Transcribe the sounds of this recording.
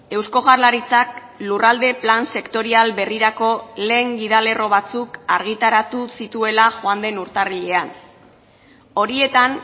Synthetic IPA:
e̞wsko̞ɣarlaɾit͡sak | lurald̪e̞planse̞kt̪o̞ɾialβe̞riɾako̞le̞ːŋɡiðale̞ro̞β̞at͡sukaɾɣ̞it̪aɾat̪usit̪ue̞laxoand̪e̞nuɾt̪ariʎe̞an | o̞ɾie̞t̪an

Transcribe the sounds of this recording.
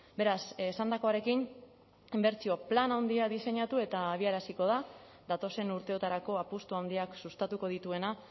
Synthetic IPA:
be̞ɾasesand̪ako̞aɾe̞kin | imbe̞ɾt͡sio̞planawnd̪iaðise̞ɲat̪ue̞t̪aːβ̞iaɾasiko̞ð̞a | d̪at̪o̞se̞nuɾt̪e̞o̞t̪aɾako̞apust̪uawnd̪iaksust̪at̪uko̞ðit̪ue̞na

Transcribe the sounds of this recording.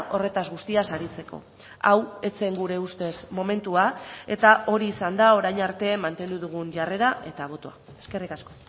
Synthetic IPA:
ʔo̞re̞t̪azɣust̪iasaɾit͡se̞ko̞̰ | awe̞t͡se̞ŋɡuɾe̞ust̪e̞smo̞me̞nt̪uae̞̰t̪aʔo̞ɾiːsand̪ao̞ɾajɲaɾt̪e̞mant̪e̞nd̪uðuɣ̞unʝare̞ɾaʔe̞t̪aβ̞o̞t̪oa | e̥ske̞rikasko̞

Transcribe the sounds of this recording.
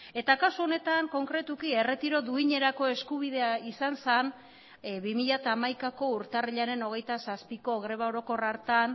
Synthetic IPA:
e̞t̪akasuo̞ne̞t̪aŋko̞ŋkɾe̞t̪ukie̞re̞t̪iɾo̞ðuiɲe̞ɾako̞e̞skuβ̞iðe̞aisansan | βimiʎat̪aːmajkako̞uɾt̪ariʎaɾe̞no̞ɣ̞e̞jt̪asaspiko̞ɣɾe̞β̞aoɾo̞ko̞raɾt̪an

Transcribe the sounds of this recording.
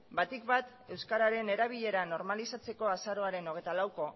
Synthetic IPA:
bat̪ikbat̪ | e̞wskaɾaɾe̞ne̞ɾaβ̞iʎe̞ɾano̞ɾmalisat͡se̞ko̞asaɾo̞aɾe̞no̞ɣ̞e̞jt̪alawko̞

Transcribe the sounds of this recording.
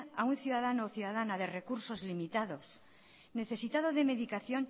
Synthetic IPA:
aunθjuðaðanoːθjuðaðanaðere̞kuɾso̞zlimit̪að̞o̞s | ne̞θe̞sit̪að̞oðe̞me̞ðikaθjo̞n

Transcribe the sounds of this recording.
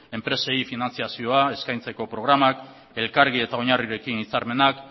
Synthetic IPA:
e̞mpɾe̞se̞jfinant͡siasio̞ae̞skajnt͡se̞ko̞pɾo̞ɣ̞ɾamak | e̞lkaɾɣ̞ie̞t̪ao̞ɲariɾe̞kinit͡saɾme̞nak

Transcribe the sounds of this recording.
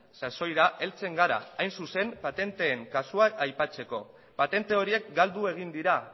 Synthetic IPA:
saso̞jɾaʔe̞lt͡se̞ŋɡaɾa̰ːjnsuse̞mpat̪e̞nt̪e̞ːŋkasuaːjpat͡se̞ko̞ | pat̪e̞nt̪e̞o̞ɾie̞kɡald̪ue̞ɣ̞ind̪iɾa

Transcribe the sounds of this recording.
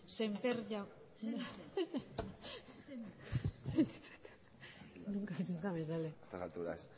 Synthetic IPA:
sempeɾʎaw | se | seit͡se̥t̪ | nuŋkat͡ʃuŋkamesaleest̪asalt̪uɾa̰s

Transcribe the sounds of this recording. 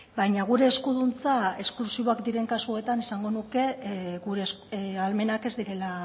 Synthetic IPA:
bajɲaɣ̞uɾe̞ːskuðunt͡sae̞sklusiβo̞akd̪iɾe̞ŋkasue̞t̪anisaŋɡo̞nuke̞ɣuɾe̞salme̞nake̞zd̪iɾe̞la

